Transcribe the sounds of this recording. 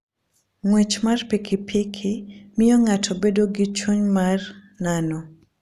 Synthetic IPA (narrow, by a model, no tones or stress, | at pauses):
ŋwet͡ʃmarpikʰipʰikʰimɪjɔŋatʰɔbedoɡit͡ʃuɲmar | nanɔ